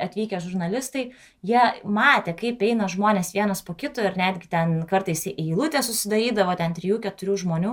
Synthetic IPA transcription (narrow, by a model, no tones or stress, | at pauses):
ɐt̪ʲʋʲiːkʲɛʒʊɾnɐlʲɪst̪ɐɪ | jiɛmɑːt̪ʲeːkɐɪpɛɪnɐʒmoːnʲeːsʋʲiɛnɐspoːkʲɪt̪oːɪɾnʲæːd̪ʲɡʲɪt̪ʲɛnkɐrt̪ɐɪsɪʔɪɪlˠʊt̪ʲeːsʊsʲɪd̪ɐɾʲiːd̪ɐʋoːt̪ʲɛnt̪ʲɾʲɪjuːkʲɛt̪ʊɾʲuːʒmoːnʲuː